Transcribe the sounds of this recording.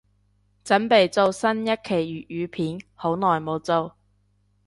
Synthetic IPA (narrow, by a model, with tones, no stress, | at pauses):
t͡sɐ˨˥npe˨jt͡so˨˧wsɐ˥njɐ˥t̚kʰe˨˩jɥyː˨ʔ̚jyː˨˧pʰiː˨˥nho˨˥wnɔː˨jmo˨˧wt͡so˨˧w